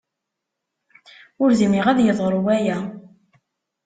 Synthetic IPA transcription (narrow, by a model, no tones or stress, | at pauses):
ʊɾzimiʁæðjəðˤɾˤuwæjæ